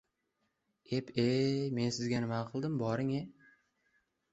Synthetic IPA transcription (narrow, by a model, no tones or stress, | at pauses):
e̞pʰeme̞nsɪzɡʲanɪmaqʰɨlˠd̪ɪmbɒɾɪŋe